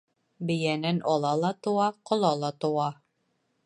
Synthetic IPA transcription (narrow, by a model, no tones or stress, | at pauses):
bɘ̆jænænʔɒlˠɑlˠɑt̪ŏwɑqŏlˠɑlˠɑt̪ŏwɑ